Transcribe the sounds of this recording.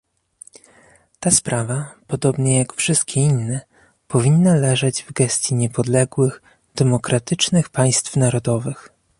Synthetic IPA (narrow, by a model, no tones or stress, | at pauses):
t̪aspɾʔavapɔd̪ɔbɲɛjakfʂɘst̪̚kʲɛinːɛ | pɔvʲinːalɛʐɛd͡ʑvɡɛst̪ʲjiɲɛpɔd̪lɛɡwɘx | d̪̥ɛmɔkɾat̪ɘt͡ʂnɘxpaj̃st̪fnaɾɔd̪ɔvɘx